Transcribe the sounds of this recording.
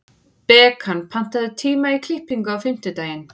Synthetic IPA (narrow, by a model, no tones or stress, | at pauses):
pɛːkʰanpʰan̥t̪aðɪt̪ʰiːmaikʰl̥ɪhpiŋkʏawfɪm̥t̪ɪt̪aːjɪn